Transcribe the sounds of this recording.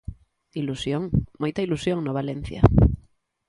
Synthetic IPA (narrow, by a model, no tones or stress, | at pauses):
ilusjoŋmojt̪ailusjoŋnoβalen̟θja̰